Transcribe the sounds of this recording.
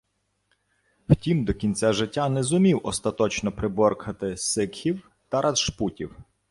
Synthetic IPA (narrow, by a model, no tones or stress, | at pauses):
wtʲimd̪ɔkʲinʲt͡sʲaʒɪtʲːanɛzʊmʲiwʔɔst̪ɐt̪ɔt͡ʃnɔpɾɪbɔrkʰɐt̪ɪsɪkxʲiw | t̪ɐɾʔɐzʃputʲiw